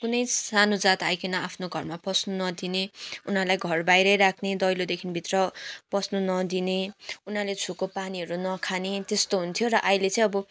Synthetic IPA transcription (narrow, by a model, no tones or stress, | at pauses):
kunʌjsanud͡zat̪ajkʰenʌapʰnoɡʱʌrmapʌsnunʌd̪ineunɦalajɡʱʌrbajɾʌjɾakʰned̪ʌjlod̪ekʰinbʱit̪rʌpʌsnunʌd̪ineunalet͡sʰukopaniɦʌɾunʌkʰanet̪est̪oɦunt̪ʰjoɾʌʔajlet͡sʌ̃ĩʌbʌ